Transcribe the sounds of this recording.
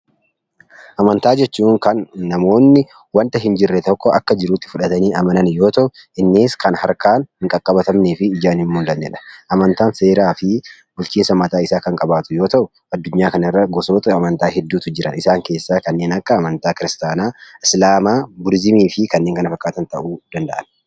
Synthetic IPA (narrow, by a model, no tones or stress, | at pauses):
ʔɐmɐnt̪aːd͡ʒɛt͡ʃːuːŋkɐnːɐmo̞ːnːɪ | wɐnt̪ɐɦɪnd͡ʒɪrːɛt̪ɔkːɔʔɐkːɐd͡ʒɪɾuːt̪ːɪ̥fʊᶑɐt̪ɐniːɐmɐnɐnjo̞ːt̪ɐʔʊɪnːeːskɐnhɐɾkaːnhɪŋkʼɐkʼːɐbɐt̪ɐmneːfɪːd͡ʒaːnhɪmmʊnd̪ɐnːɛ̰ᶑɐ̥ʔɐmɐnt̪aːnse̞ːɾaːfɪ | bʊlt͡ʃiːnsɐmɐt̪aːɪsaːkɐŋkʼɐbaːt̪ʊjo̞ːt̪ɐʔʊ | ɐd̪ːʊɲːaːkɐnɪrːɐɡɔso̞ːt̪ɐɐmɐnt̪aːɦɛd̪ːuːt̪ʊd͡ʒɪɾɐnɪsaːŋke̞ːsːaːkɐnːe̞ːnɐkːɐːmɐnt̪aːkɪɾɪst̪aːnaːɪslaːmaːbʊɾzɪmiːfɪkɐnːeːŋkɐnɐfɐkːaːt̪ɐnt̪ɐʔuːd̪̥ɐnd̪ɐʔɐn